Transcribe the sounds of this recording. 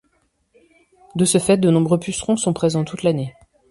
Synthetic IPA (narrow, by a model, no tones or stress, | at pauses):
d̪əsəfɛt̪̚d̪ənɔ̃bʁøpysχɔ̃sɔ̃pχezɑ̃t̪ut̪lane